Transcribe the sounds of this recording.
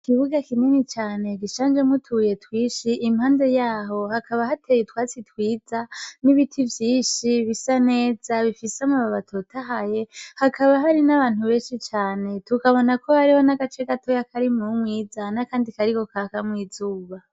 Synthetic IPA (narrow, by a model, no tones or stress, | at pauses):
kiβuɡakininit͡ʃaːne̞ɡiʃaːnd͡ʒemutʰuje̞twiːʃiʔːmhaːnde̞jaːɦo̞hakʰaβahatʰejetwaːt͡sitwiːzaniβitʰivjiːnʃiβisane̞ːz̥aβifisamuβaβatʰo̞tʰaɦaje̞hakʰaβaɦaɾinaβaːn̥huβe̞ːnʃit͡ʃaːne̞tukaβo̞nako̞haɾiho̞naɡat͡ʃe̞ɡato̞jakʰaɾimumwiːzanakaːndikaɾiko̞kakamwiːzuːβa